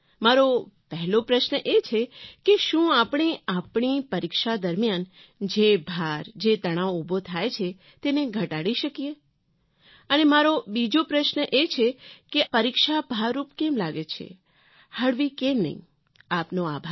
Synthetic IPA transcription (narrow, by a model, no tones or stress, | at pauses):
maɾopɛɦɛlopɾəʃnəʔet͡ʃʰekeʃũapɳ̃iapɳ̃ipəɾikʃad̪əɾmjan | d͡ʒebʱaɾd͡ʒet̪əɽ̃aoubʱot̪ʰajt͡ʃʰe | t̪eneɡʱəʈaɽiʃəkije | ənemaɾobid͡ʒopɾəʃnəʔet͡ʃʰekepəɾikʃabʱaɾːupkemlaɡet͡ʃʰḛ | həɽʋikemnə̰ɦḭ̃ | apnoabʱa